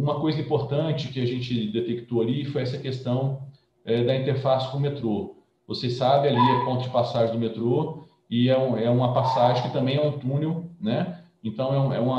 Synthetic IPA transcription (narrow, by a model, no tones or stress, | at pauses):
ũmɐkojzɐĩpoɾt̪ɐ̃t͡ʃɪkɪaʒẽnt͡ʃɪd̪et̪ekt̪oalifojɛsɐkest̪ɐ̃w̃ | ɛd̪ɐĩnt̪eɾfasɪ̥kõmet̪ɾo | vosesabɪaliɐpõnt̪ʊd͡ʒɪpasaʒẽd̪ʊmet̪ɾo | ɪɛũɛũmɐpasaʒẽkɪt̪ɐ̃mbẽj̃ɛũt̪ũnewnɛ | ẽnt̪ɐ̃w̃ɛũɛ̰ũmɐ